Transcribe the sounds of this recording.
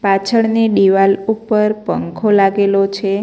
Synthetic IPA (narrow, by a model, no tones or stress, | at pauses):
pat͡ʃʰəɽneɖiʋalupːəɾpəŋkʰolaɡelot͡ʃʰe